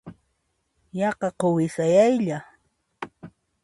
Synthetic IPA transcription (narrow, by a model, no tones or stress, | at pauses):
jɑqɑqowɪsajajʎa